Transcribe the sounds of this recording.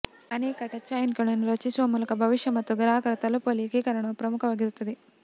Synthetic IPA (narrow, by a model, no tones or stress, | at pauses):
ɐneːkɐʈɐt͡ʃɐjnkɐɳunuɾɐt͡ʃisʋɐmulɐkɐbʱɐʋiʂjɐmɐt̪ːuɡɐɾaːkɐɾɐt̪ɐlupolikiːkɐɾɐɳɐpɾɐmukʰɐʋɐɡiɾut̪ɐd̪i